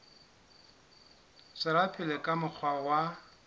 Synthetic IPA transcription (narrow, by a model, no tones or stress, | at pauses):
sɪɾapʰɪlekʼamʊk͡xʰwawa